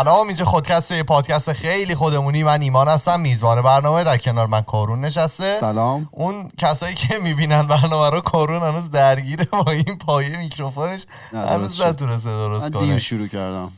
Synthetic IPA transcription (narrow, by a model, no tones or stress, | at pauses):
ælɒːmind͡ʒɒːχo̞d̪̚cʲʰæst̪ejepʰɒːd̪̚cʰæst̪exejliːxo̞d̪e̞muniːmæniːmɒːnhæst̪æmːiːzbɒːnebæɾnɒːme̞d̪æɾcʰe̞nɒːɾmænkʰoɾunːe̞ʃ̬æst̪e̞slːmʔuncʰæsɒːjiːcʰemiːbiːnænbæɾnɒːmæɾɔkʰoɾunhænuːzd̪æɾɟiːɾebɒːinpʰɒːjejemicʰɾofoneʃ | hæ̰nuːznæt̪une̞s̬t̪ed̪oɾoskʰonḭʃuɾuːcæɾd̪æ̰m